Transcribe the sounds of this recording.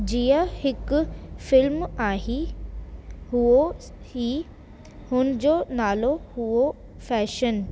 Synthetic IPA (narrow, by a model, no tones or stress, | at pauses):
d͡ʑiːəhɪkʊfɪlmaːɦi | huo | hiː | hʊnɪ̆d͡ʑoːnaːlohuo | fɛːʃən